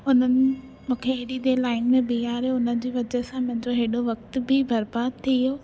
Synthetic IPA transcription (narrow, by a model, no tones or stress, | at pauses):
ʊn̤ənɪ̆ | mũːkʰeeɗid̪elaːɪnmẽbiɦaːɾeʊnə̆d͡ʑeːʋɐd͡ʑəsãmʊ̃ɦɪ̃ɲd͡ʑoɦeːɗoʋɐkt̪bʱɪbɐɾbaːd̪̚t̪ʰijoː